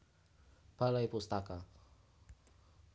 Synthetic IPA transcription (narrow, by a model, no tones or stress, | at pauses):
b̥alajpust̪aka